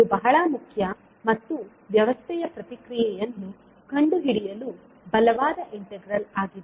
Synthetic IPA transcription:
id̪ubɐɦɐɭɐmukʰjɐ | mɐt̪ːu | ʋjɐʋɐst̪ʰɛjɐpɾɐt̪ikɾijɛjɐnːu | kɐɳɖuɦiɽijɐlu | bɐlɐʋaːd̪ɐʔiɳʈeɡɾɐlaːɡid̪e

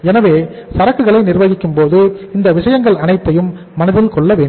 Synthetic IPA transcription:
ɛnɐʋeː | sɐɾɐkːɯɣɐɭɐɪnɪɾʋɐɣɪkːɯmpoːðɯɪnd̪ɐʋɪʂɐjɐŋɡɐɭɐnɐɪt̪ːɐjɯmː | ɐnɐðɪlkɔɭːɐʋeːɳɖm

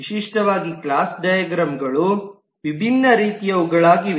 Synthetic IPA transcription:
ʃiʂʈɐʋaːɡikɭaːsɖɐjɐɡɾɐmɡɐɭu | ʋibʱinːɐɾiːt̪ijɐʋuɡɐɭaːɡi

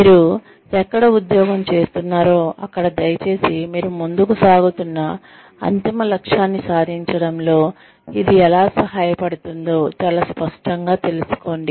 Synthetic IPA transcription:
miːɾu | ɛkːɐɽɐud̪jɔːɡɐmt͡ʃe̞ːst̪unːaːɾoːɐkːɐɽɐd̪ɐjɐt͡ʃe̞ːsimiːɾumund̪ukusaːɡut̪unːɐ | ɐ̰nt̪imɐlɐkʂaːnːisaːd̪ʱiɲt͡ʃɐɽɐmlo̞ː | id̪iɛlaːsɐɦaːjɐpɐɽut̪und̪o̞ːt͡ʃaːlaːspɐʂʈɐŋɡaːt̪e̞lusu̥ko̞ːɳɖi

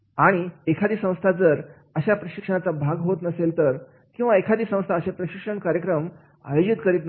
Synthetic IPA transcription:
aɽ̃iekʰad̪iːsə̃w̃st̪ʰad͡zəɾ | əɕapɾəɕikʂəɳ̃at͡sabʱaɡɦot̪nəselt̪əɾ | kĩw̃ʋaekʰad̪iːsə̃w̃st̪ʰaəɕepɾəɕikʂəɳkaɾjəkɾəm | a̰jod͡ʑit̪kəɾiːt̪n

